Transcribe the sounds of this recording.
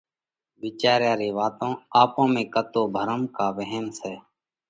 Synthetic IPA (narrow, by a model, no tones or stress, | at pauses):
ʋɪːt͡ʃaːɾjaːɾeːʋaːt̪õːaːpõːmẽːkət̪oːbʱəɾəmkaːʋɛɦənsɛː